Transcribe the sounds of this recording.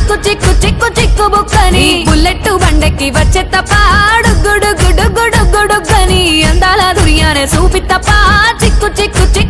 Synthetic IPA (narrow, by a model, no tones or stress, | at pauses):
kːut͡ʃikːut͡ʃikːut͡ʃikːubuksɐnibulːeʈːubɐɳɖekːiʋɐt͡ʃːet̪ːɐpːɐɖuɡːuɖuɡːuɖuɡuɖuɡːuɖukːɐniɐnd̪aːlaːd̪ʱuɾijaːneːsuːpit̪ːɐpːaːt͡ʃikːut͡ʃikːut͡ʃi